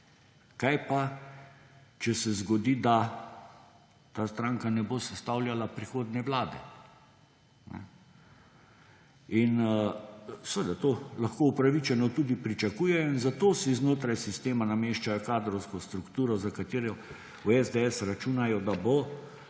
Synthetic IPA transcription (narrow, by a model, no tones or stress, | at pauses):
kajpa | t͡ʃɛsɛzɡɔd̪iːd̪a | t̪aːst̪ɾaːŋkanɛbosɛst̪awljalapɾixoːd̪nɛʋlaːd̪ɛ̰ | nɛ̰ | in | sʋəd̪at̪oːlaxkoːupɾaʋit͡ʃɛnɔt̪uːd̪ipɾit͡ʃakuːjɛjɔinzat̪oːsiznoːt̪ɾajsist̪eːmanameːʃt͡ʃajɔkaːd̪ɾɔwskɔst̪ɾukt̪uːɾɔzakat̪eːɾɔ | uɛzd̪eɛsɾat͡ʃunajɔd̪abo